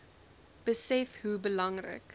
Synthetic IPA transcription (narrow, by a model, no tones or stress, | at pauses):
b̥əsɛfhubəlɐŋrə̰k